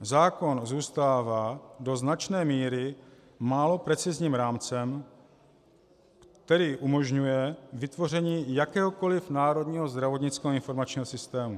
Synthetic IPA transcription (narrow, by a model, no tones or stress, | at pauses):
zaːko̞nzuːst̪aːvaːdo̞znat͡ʃnɛːmiːɾɪ | maːlo̞pɾɛt͡sɪzɲiːmɾaːmt͡sɛm | t̪ɛɾiːʔumo̞ʒɲujɛvɪt̪vo̞r̝ɛɲiːjakɛːɦo̞ko̞lɪfnaːɾo̞dɲiːɦo̞zd̪ɾavoɲɪt͡skɛːɦɪnfo̞ɾmat͡ʃɲiːɦosɪst̪ɛːmu